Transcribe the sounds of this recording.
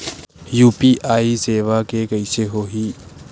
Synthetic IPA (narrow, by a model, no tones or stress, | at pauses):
juːpiʔaːiseːʋakekɐɪseɦoːɦiː